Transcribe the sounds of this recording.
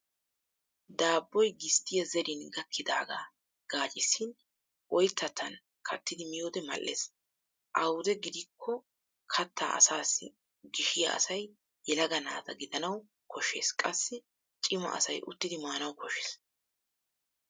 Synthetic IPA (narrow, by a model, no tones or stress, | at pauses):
d̪aːbːɔjɡɪst̪ʰːɪjɐzɛɾɪnɡɐkʰːɪd̪aːɡa̰ː | ɡ̥aːt͡ʃʼɪsːɪn | ʔɔjt̪ʰːɐt̪ʰːɐn | kʰɐt̪ːɪd̪ɪmɪjoːd̪ɛmɐ̰lʔːḛːs | ʔɐwʊd̪ɛɡɪd̪ɪkʰːɔ | kʰɐt̪ʰːa̰ːʔɐ̰saːsːɪ | ɡɪʃɪjɐ̰ʔɐ̰sɐj | jɛlɐɡɐnaːt̪ɐɡɪd̪ɐnɐw | kʰɔʃːe̞̰ːskʼɐsːɪ | t͡ʃʼɪmɐ̰ɐ̰sɐjʔʊ̰t̪ːɪd̪ɪmaːnɐwkʰɔʃeːs